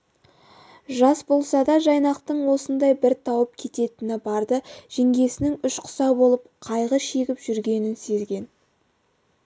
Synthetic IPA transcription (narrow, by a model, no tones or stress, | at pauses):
ʒɑsbo̞lˠsɑd̪ɑʒɑjnɑqt̪əɴwo̞sənd̪ɑjbɪɾt̪ʰɑwəp̚kʲʰe̞t̪e̞t̪ɪnɪbɑɾd̪əʒ̥eŋɡʲe̞sɪnɪŋʏʃqʰʊ̥sɑbo̞lˠəp̚qʰɑjʁəʃe̞ɡʲɪpʒʏɾɡʲe̞nɪnse̞zɡʲe̞n